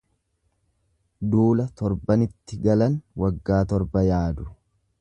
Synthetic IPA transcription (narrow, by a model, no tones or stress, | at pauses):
d̪uːlɐt̪ɔɾbɐnɪt̪ːɪɡɐlɐnwɐɡːaːt̪ɔɾbɐjaːd̪ʊ